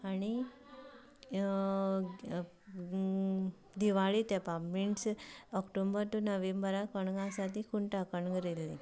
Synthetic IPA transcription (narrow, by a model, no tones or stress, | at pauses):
aɽ̃i | d̪iʋaɭit̪ɛpamiɳʈsɔkʈombəɾt̪unəʋembəɾakəɳɡãsat̪ikuɳʈakəɳɡəɾelːi